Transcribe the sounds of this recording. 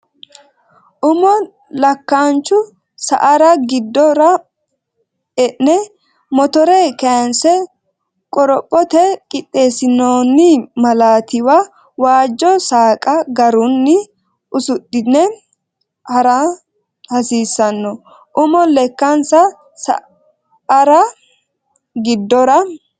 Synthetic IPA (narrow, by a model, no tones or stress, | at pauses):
ʔʊmɔ | lɐkːant͡ʃːʊ | sɐ̰ʔɐɾɐɡɪd̪ːɔɾɐ | ɛʔnɛ | mɔt̪ɔɾɛkɐjɐnsɛ | kʼɔɾɔpʼːɔt̪ɛkʼɪt̪ʼːe̞ːsɪnoːnːɪmɐlaːt̪ɪwɐ | waːd͡ʒːɔsaːkʼɐɡɐɾʊnːɪ | ʔʊsʊɗɪnɛ | hɐɾɐ | hɐsiːsːɐnːɔ | ʔʊmɔlɛkːɐnsɐ | sɐ̰ | ʔɐɾɐ | ɡɪd̪ːɔɾɐ